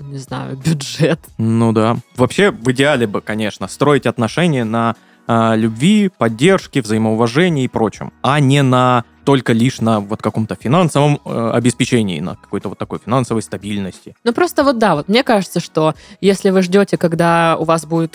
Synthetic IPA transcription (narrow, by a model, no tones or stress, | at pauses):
nʲɪzna̰jʊ̰bʲʊʐɛt̪nud̪avɐpɕːevɨdʲɪalʲɪbɨkɐnʲe̞ʂnəst̪ɾo̞jɪtʲɐt̪nɐʂɛnʲɪjənɐ | lʲʉbvʲipɐdʲːe̞rʂkʲɪvzəɪməʊvɐʐɛnʲɪjipɾo̞t͡ɕɪ̰mɐnʲɪnɐ | t̪o̞lʲkəlʲiʂnəvo̞t̪kɐko̞mt̪əfʲɪnansəvəməɐ̰bʲɪspʲɪt͡ɕenʲɪ̰ːnə̰kɐ̥ko̞jt̪əvo̞t̪ːɐko̞jfʲɪnansəvəjst̪ɐbʲilʲnəsʲtʲɪnupɾo̞st̪əvo̞t̪̚d̪avo̞t̪̚mnʲekaʐɨt̪səʂt̪o̞jesʲlʲɪvɨʐdʲotʲɪkɐɡd̪aʊvasbudʲɪt̪